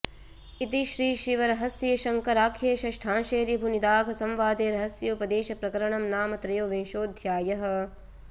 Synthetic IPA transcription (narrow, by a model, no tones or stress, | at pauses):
it̪iʃɾiːʃɾiʋɐɾɐɦɐsjɐjɐʃɐŋkɐɾaːkʰiʃɐʃʈʰãːʃeːɾibʱunid̪aːɡʱɐsɐmʋaːd̪eːɾɐɦɐsjoːpɐd̪eːʃɐpɾɐkɐɾɐɳɐmnaːmɐt̪ɾɐjoːʋinʃoːd̪ʱjaːjɐɦɐ̆